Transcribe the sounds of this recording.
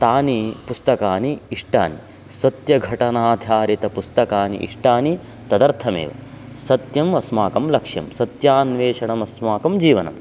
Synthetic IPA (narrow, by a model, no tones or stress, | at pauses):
t̪aːnipust̪ɐkaːniiʂʈa̰ːni | sɐt̪jɐɡʱɐʈɐnaːd̪ʱjaːɾit̪ɐpust̪ɐkaːnḭʔḭʂʈaːni | t̪ɐd̪ɐɾt̪ʰɐmḛːʋɐ̰ | sɐt̪jɐmɐsmaːkɐmlɐkʂjɐ̰msɐt̪jaːnʋeːʂɐɳɐmɐsmaːkɐmd͡ʒiːʋɐnɐ̰m